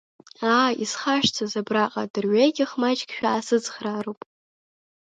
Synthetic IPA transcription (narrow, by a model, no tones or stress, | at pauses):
aːḭsχaʃᶣt͡sʰazabraqʼadɨrɥajɡʲɪχmat͡ʃʼkʲʃᶣaːsɨd͡zχraːɾowpʼ